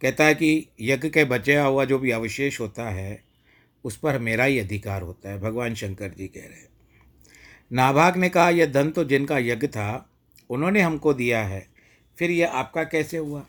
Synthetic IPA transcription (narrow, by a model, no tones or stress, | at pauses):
kɛɦt̪aɦɛkijɐɡkebɐt͡ʃəjaɦuad͡ʒoːbʱiɐʋɪʃeːʃɦoːt̪aɦɛ | ʊspɐɾmeːɾaɦiɐd̪ʱɪkaːɾɦo̰ːt̪aɦɛbʱɐɡʋaːnʃɐ̃ŋkəɾd͡ʒikɛ̰ɦɾɛ | naːbʱaːɡnekɐɦajed̪ɐnt̪od͡ʒɪnkajɐɡt̪ʰa | ʊnɦõːneɦɐmkod̪ijaɦɛː | fʰɪɾjeaːp̚kakɛːseɦʊaː